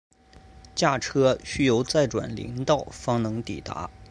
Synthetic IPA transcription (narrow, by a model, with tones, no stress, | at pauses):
t͡ɕja˥˩ʈ͡ʂʰɤ˥ɕy˥jo˧˥ʊt͡sa˥˩ɪʈ͡ʂwa̰˨˩nlḭ˧˥ŋt̪ɑ˥˩ʊfɑ˥ŋnɤ˧˥ŋt̪i˨˩t̪a̰˧˥